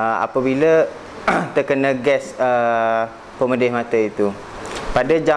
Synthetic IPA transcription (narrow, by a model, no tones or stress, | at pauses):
əa̰pəbilə | t̪əkənəɡɛsə | pəmədɪhmãt̪əit̪u | padəd͡ʒa